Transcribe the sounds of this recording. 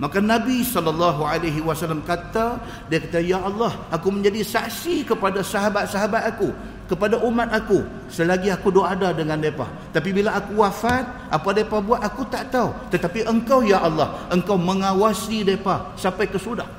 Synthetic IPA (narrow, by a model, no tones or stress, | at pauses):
makanabisɔlːəlːɑɦualaɦiwasalːamkat̪a | diakat̪ajaʔɑlˠːɑhakumə̃ɲd͡ʒadisaksikəpadasaɦabat̪̚saɦabat̪aku | kəpadaʔumat̪aku | səlaɡiakudoadadəŋandepa̰ | t̪apibilaːkuwafat̪̚ʔapadapabuat̪akut̪aʔt̪aut̪ət̪apiʔəŋkawjaʔɑlːɑhʔəŋkawməŋawasidepasapajkəsudah